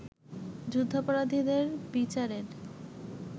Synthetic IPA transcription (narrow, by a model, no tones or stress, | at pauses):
d͡ʑud̪ʱːopɔɾad̪ʱid̪eɾpit͡ɕaɾeɾ